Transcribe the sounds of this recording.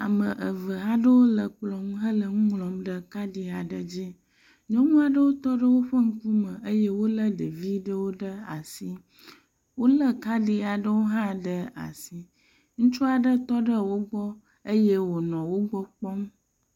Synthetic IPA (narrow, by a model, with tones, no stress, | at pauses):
a˨mə˨ʔə˨və˨ɦa˦ɖə˦wo˦lə˨k͡plɔ˦mɦə˦lə˨ŋũ˦ŋlɔ˨mɖə˦ka˦ɖi˨a˨ɖə˨d͡ʑi˦ | ɲɔ̃˦ŋũ˦a˨ɖə˦wo˦t̪ɔ˦ɖə˦wo˦ɸə˦ŋ̩˦ku˦mə˨ə˦je˦wo˦lə˦ɖe˨vi˦ɖə˦wo˦ɖə˦a̰˨si˦ | wo˦lə˦ka˦ɖi˦a˨ɖə˦wo˦ɦã˦ɖə˦a̰˨si˨ | ŋũ˦t͡ʃu˦a˨ɖə˦t̪ɔ˦ɖə˦wo˦ɡ͡bɔ˦ | ə˦je˦wo˨nɔ̃˨wo˦ɡ͡bɔ˦k͡pɔ˦m